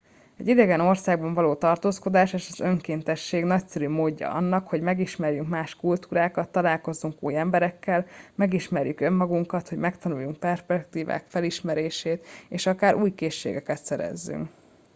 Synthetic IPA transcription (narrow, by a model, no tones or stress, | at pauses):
ɛ̰ɟid̪ɛɡɛno̞rsaːɡbɒɱvɒloːt̪ɒrt̪oːsko̞d̪aːʃeːʃɒzøŋkeːnt̪ɛʃːeːɡnɒcsɛɾymoːɟːɒ̰ɒ̰nːɒkho̞ɟmɛɡiʃmɛrjyŋkmaːʃkult̪uːɾaːkɒt̪ːɒlaːlko̞zːuŋkuːjɛmbɛɾɛkːɛlmɛɡiʃmɛɾjykø̞mːɒɡuŋkɒt̪hoɟmɛkt̪ɒnujːuŋk̚pɛrʃpɛk̚t̪iːva̰ːkfɛliʃmɛɾeːʃeːt̪eːʃɒkaːɾʔuːjkeːʃːḛːɡɛkɛt̪sɛɾɛ̰zːy̰ŋk